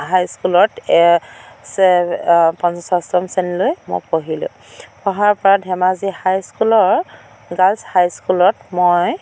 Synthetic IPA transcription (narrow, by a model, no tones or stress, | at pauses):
ɦajskulɔtɛsɛpɔnzɔsastɔmsɛnlojmo̰jpoɦilʊ̰̃ | pɔɦaɹpɔɹadʱɛmazihajskulɔɹ | ɡalshajskulɔtmoj